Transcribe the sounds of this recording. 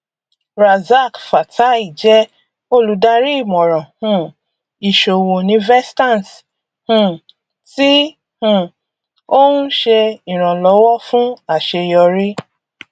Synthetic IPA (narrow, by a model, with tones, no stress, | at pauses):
ɾa˨za˦˨kfa˨ta˨˦i˦˨d͡ʒɛ˦ | o˧lu˨˧da˧ɾi˦i˦˨mɔ̃˨ɾ̃ɔ̃˨hũ˦ | i˨ʃo˨wo˨nĩ˧˦vɛ˦stã˦˨n˨t | hũ˦˨ | ti˦ | hũ˦˨ | o˦ũ˦ʃe˧ĩ˨ɾ̃ã˨lɔ˨˦wɔ˦fũ˦a˦˨ʃe˧jɔ˧ɾi˦